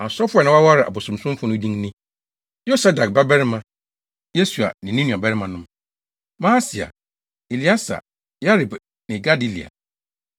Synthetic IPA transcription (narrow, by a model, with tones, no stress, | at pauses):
a˨sɔ˦fʊ˦ɛ˨nã˦wa˦wa˦ɾɪ˨ʔa̰˨bo˨sʊ̃˨m˨sʊ̃˦m˦fʊ̃˦nʊ̃˦dĩ˦ŋnɪ̃˦ | jo˦sa˦da˨k̚ba˦bɛ˦ɾɪ˦mã˦ | je˦su˨a̰˨nɪ̃˨nĩ˦nũ˨a˨bɛ˦ɾɪ˦mã˨nʊ̃˦m | mã˦si˨a̰˨ | e˨li˨˦a˦sa̰˨ | ja˦ɾi˨b | nɪ̃˨ɡa˦di˦lḭ˨a̰˨